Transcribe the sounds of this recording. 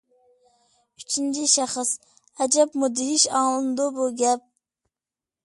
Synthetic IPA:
y̥t͡ʃʰint͡ʃʰiʃæχəs | ɛd͡ʒɛpmud̪ɪɦiʃɑːlˠɨnd̪ʊbuɡʲɛp̚

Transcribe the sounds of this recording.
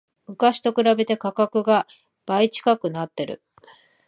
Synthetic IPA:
mɯ̟kaɕi̥t̪o̞kɯ̟ɾabe̞t̪e̞kakakɯ̟ɡa | b̥ait͡ɕi̥kakɯ̟nat̪ːe̞ɾɯ̟̰

